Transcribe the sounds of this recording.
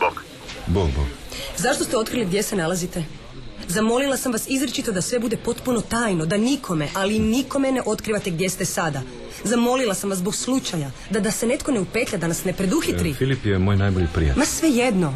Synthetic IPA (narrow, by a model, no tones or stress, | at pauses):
boɡ | boɡbo̰ɡ | zaʃt̪ost̪eo̞t̪̚kɾiliɡd̪jesenalˠazit̪e̞ | zamo̞lilˠasamʋasizɾet͡ʃit̪od̪asʋe̞bud̪e̞po̞t̪puno̞t̪aːjnod̪anikʰo̞me̞ʔaliniko̞mene̞ʔo̞t̪kɾiʋat̪e̞ɡd̪je̞st̪e̞sad̪a | zamo̞lilˠasamʋaszzbo̞ɡslˠut͡ʃajad̪ad̪ase̞ne̞t̪ko̞neupe̞t̪ʎʲad̪anasne̞pɾe̞d̪uxitt̪ɾifilipjemojnajboʎipɾḭa̰masʋe̞jed̪no̞